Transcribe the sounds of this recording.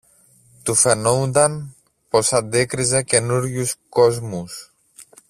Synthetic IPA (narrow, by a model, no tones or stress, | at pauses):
t̪ufenowd̪an | pɔsat̪̚d̪ekɾizekenuɾjuskɔzmus